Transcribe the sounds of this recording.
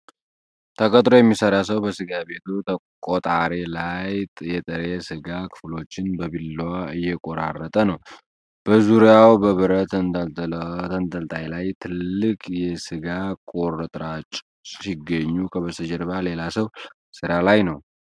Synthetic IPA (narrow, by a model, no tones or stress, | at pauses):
t̪ʰəkʰʼət̪ʼɾo̞jɛmːisəɾas̬əwbəsɨɡabe̞t̪ʰut̪ʰə | kʼot̪ʼaɾelajt̪ʼjɛt̪ʼəɾesɨɡakʰɨ̥flo̞t͡ʃːɪnbəbilːwaɨjːɛkʼoɾa̰rːət̪ʼənəw | b̥əzuɾawbəβɨɾət̪ʰənd̪alt̪ʰənt̪əlt̪ʼajlajt̪ʰɨlːɨkʼjɛsɨɡakʼoɾət̪ʼɾat͡ʃʼ | siɡːəɲːukʰəβəsəd͡ʒəɾbale̞lasəw | sɨɾalajnəw